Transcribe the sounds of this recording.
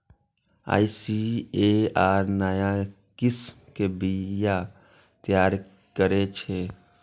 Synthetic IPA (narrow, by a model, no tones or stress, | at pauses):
a̰ːisieaːɾnəja | kɪsmkebija | t̪jaːɾ | kəɾet͡ʃʰeː